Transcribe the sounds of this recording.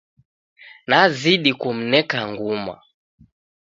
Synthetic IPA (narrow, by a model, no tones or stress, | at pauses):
naziɗikum̩nɛkaŋɡuma̰